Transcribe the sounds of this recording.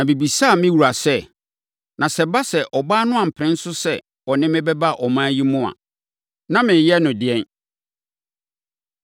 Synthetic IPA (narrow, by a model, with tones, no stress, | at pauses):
nã˨bi˨bi˨sa˦˨mɪ̃˦wu˨ɾa˨sɛ˦˨ | nã˨sɛ˨ba˦sɛ˨ʔɔ˨baː˦nʊ̃˦a˨m̩˨pʰɾɪ̃˦n̩˦sʊ˦sɛ˦ | ɔ˨nɪ̃˦mɪ̃˦bɛ˦ba˦ʔɔ˨mãː˦ji˦mʊ̃˦a̰˨ | nã˦mɪ̃˨jɛ˦nʊ̃˨dɪ˨ɛ̃˦n